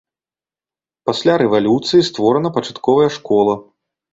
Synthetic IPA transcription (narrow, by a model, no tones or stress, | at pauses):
pasʲlʲaɾɛvalʲut̪sɨjist̪vɔɾɐnɐpɐt͡ʂḁt̪kɔvɐjɐʂkɔlˠɐ